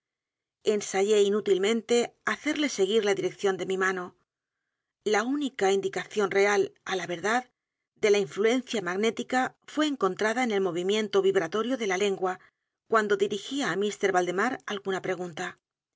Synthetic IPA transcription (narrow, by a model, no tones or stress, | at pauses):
e̞nsaʝe̞inut̪ilmẽ̞nt̪e̞aθe̞ɾle̞se̞ɣ̞iɾlaðiɾe̞kθjo̞nd̪e̞mimano̞ | launikaind̪ikaθjo̞nre̞alalaβe̞ɾðað | d̪e̞laiɱflue̞n̟θjamaɣne̞t̪ikafwe̞ːŋko̞nt̪ɾaðaene̞lmo̞β̞imjẽ̞nt̪o̞βiβɾat̪o̞ɾjoðe̞lale̞ŋɡwa | kwand̪o̞ðiɾixiaːmist̪e̞ɾβald̪e̞maɾa̰lɣunapɾe̞ɣ̞unt̪a